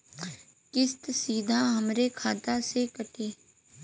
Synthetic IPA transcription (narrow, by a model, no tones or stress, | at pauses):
kɪst̪siːd̪ʱaɦɐmɾekʰaːt̪asekɐʈeː